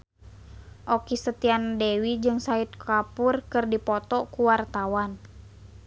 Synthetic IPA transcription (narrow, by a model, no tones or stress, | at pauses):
ʔɔkisət̪iandɛwid͡ʒɨŋsait̪̚kʰapurkɨrdipɔt̪ɔkuwart̪awan